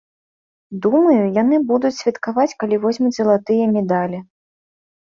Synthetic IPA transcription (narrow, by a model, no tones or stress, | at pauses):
d̪umɐjujanɨbud̪ut͡sʲsʲvʲɛt̪kavat͡sʲkalʲivɔzʲmʲuzɐlˠat̪ɨjɐmʲɛd̪alʲi